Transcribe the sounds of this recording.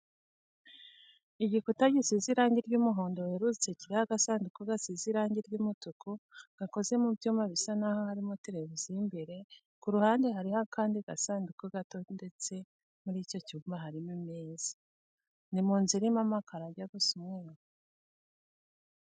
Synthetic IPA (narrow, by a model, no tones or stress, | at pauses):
iɟikutaɟisiziɾaːɲɟiɾɟumuɦoːndoweɾut͡se̞ciɾihaɡasaːndukoɡasiziɾaːɲɟiɾɟumutukuɡ̥ako̞ze̞mubjuːmaβisanahohaɾimoteɾevuzimbiɾe̞ | kuɾuhaːnde̞ɦaɾihakʰaːndiɡasaːndukoɡato̞nde̞t͡se̞ | muɾiːco̞cuːmbaɦaɾimimeːz̥ḁ | nimuːnziɾimamakʰaɾaɾɟaɡusumŋeɾo